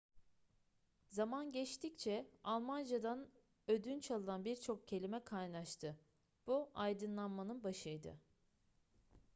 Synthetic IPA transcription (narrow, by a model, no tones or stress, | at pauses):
zamanɟɛt͡ʃt̪ʰict͡ʃʰɛalˠmand͡ʒad̪an | ød̪ynt͡ʃʰalˠɯnanbiɾt͡ʃʰo̞kcʰe̞lʲimɛkʰajnaʃt̪ʰɯ | b̥uʔajd̪ɯnlˠanmanɯnbaʃɯjd̪ɯ̰